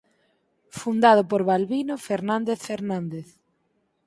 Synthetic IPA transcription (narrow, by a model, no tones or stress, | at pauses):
fund̪að̞opoɾβalβinofeɾnãnd̪eθfeɾnãnd̪eθ